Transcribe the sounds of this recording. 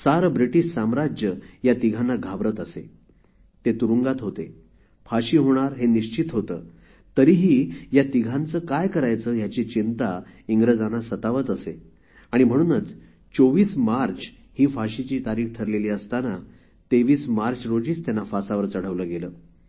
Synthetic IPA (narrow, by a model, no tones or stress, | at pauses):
saɾbɾiʈiʂsamɾad͡ʑəjat̪iɡʱanːaɡʱaʋɾət̪əsḛ | t̪et̪uɾuŋɡat̪ɦot̪e | fʰaɕiːɦoɽ̃aɾɦeniɕt͡ɕit̪ɦot̪ə̰ː | t̪əɾiːɦiːjat̪iɡʱãnt͡səːkajkəɾajt͡səːjat͡ɕit͡ɕint̪aiŋɡɾəd͡zanasət̪aʋət̪əse | aɽ̃im̤əɽ̃uːnət͡s | t͡soʋiːsmaɾt͡ɕ | hiːfaɕit͡ɕiːt̪aɾiːxʈʰəɾleliːəst̪ana | t̪eʋiːsmaɾt͡ɕɾod͡ʑiːt͡st̪janːafasaʋəɾt͡səɽ̤əʋləɡeləː